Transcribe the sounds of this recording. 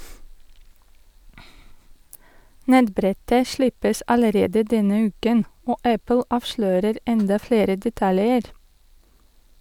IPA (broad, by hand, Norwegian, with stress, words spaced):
ˈnɛtˌbɾɛtə ˈʃlɪpəsʔ ɑləˈɾeːdə ˈdɛnə ˈʉːkən ˈoː ˈæpl̩ ˈɑːʋʃløːɾəɾ ˈɛndɑ ˈfɽeːɾə dɛˈtɑljəɾ